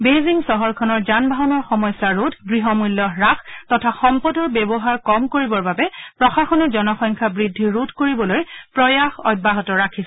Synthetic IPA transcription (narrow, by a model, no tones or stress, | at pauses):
beziŋsɔɦɔɹkʰɔnɔɹzanbʱaɦɔnɔɹxɔmɔjsaɹotʰɡɹiɦɔmulːɔɹaxtɔtʰaxɔmpɔdɔɹbɛbɔɦaɹkɔmkoɹibɔɹbabɛpɹɔxaxɔnɛzɔnɔxɔjŋkʰabɹidʱːiɹutʰkoɹibɔlojpɹɔjaxɔ̰jd̚baɦɔtɔɹakʰis